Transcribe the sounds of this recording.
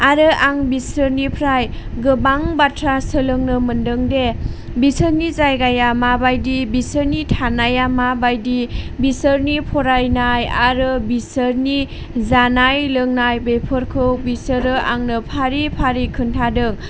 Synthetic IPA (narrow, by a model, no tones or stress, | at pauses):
aɾɯʔaŋbisɯɾnipʰɾajɡɯbaŋbatʰɾasɯlɯŋnɯmɯndɯŋde | bisəɾnizajɡajamabajdibisəɾnitʰanajamabajdibisəɾnipʰɔɾajnajaɾɯbisəɾni | zanajlɯŋnajbepʰɯɾkʰɯwbisɯɾɯʔaŋnɯpʰaɾipʰaɾikʰɯntʰadɯŋ